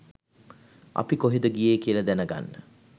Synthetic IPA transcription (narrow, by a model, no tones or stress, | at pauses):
ʔa̰pikoɦid̪əɡijeːkijəlɐd̪ænəɡa̰nːə